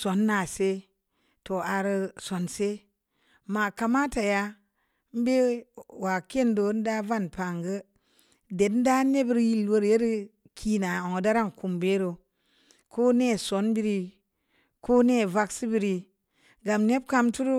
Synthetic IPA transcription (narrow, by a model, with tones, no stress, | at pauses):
so˨˦nːa˨se˦ | to˨a˨ɾɨ˧so˨nse˦ | ma˨ka˨ma˦ta˨ja˦ | m̩˦be˦wa˨ke˦˨ndo˨˦n̩˦da˦va˦˨npa˨ŋɡə˦ | de˨dn̩˦da˦ne˦bɾji˦lwo˦ɾje˦ɾi˦ | kʰi˨na˨o˨ŋ˨da˦ɾa˦ŋku˨mbe˦ɾo˨ | ko˦ne˦˨so˨˦nbi˦ɾi˦ | ko˦ne˦˨va˦ksi˦bi˦ɾi˨ | ɡa˨mne˦b̚ka˦mtu˦ɾu˦